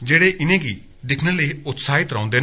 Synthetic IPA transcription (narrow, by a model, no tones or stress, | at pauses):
d͡ʒeːɽeːʔɪnẽːɡiː | d̪ɪkʰnələiʊt̪saːɦɪt̪ɾã̰ːnd̪eː